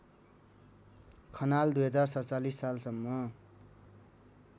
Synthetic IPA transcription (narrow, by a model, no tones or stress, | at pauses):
kʰʌnald̪ujɦʌd͡zarsʌt͡salisːalsʌmːʌ